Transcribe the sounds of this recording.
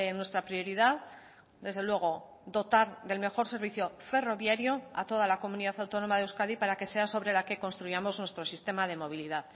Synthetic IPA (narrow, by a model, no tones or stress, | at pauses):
nwe̞st̪ɾapɾio̞ɾiðað | d̪e̞zð̞e̞lwe̞ɣ̞o̞ | d̪o̞t̪aɾðe̞lme̞xo̞ɾse̞ɾβiθjo̞fe̞ro̞βjaɾjoa̰t̪o̞ð̞alako̞muniðaθawt̪o̞no̞maðewskaðipaɾake̞se̞aso̞βɾe̞lake̞ko̞nst̪ɾujamo̞znwest̪ɾo̞sist̪e̞mað̞e̞mo̞β̞iliðað